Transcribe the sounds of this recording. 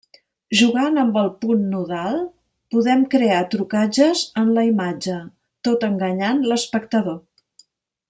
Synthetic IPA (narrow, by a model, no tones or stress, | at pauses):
ʒuɣanəmbəlˠpunːuðalˠ | puðɛmkɾeat̪ɾukad͡ʒəzənləimad͡ʒə | t̪ot̪əŋɡəɲanləspəkt̪əðo